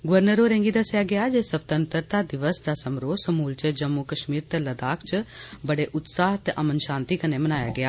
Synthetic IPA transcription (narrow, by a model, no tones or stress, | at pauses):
ɡʊʋəɾnəɾoːɾɛ̃ːŋɡiːd̪əsjaːɡɪaːd͡ʒeːsəb̚t̪ənt̪əɾt̪aːd̪ɪʋəsd̪aːsəmɾoːsəmuːlt͡ʃəd͡ʒəmːukəʃmiːɾt̪eləd̪aːkʰt͡ʃbəɽeːʔʊt̪saːɦt̪ʔəmənʃãːnt̪iːkəneːmənaːja̰ːɡɪjaː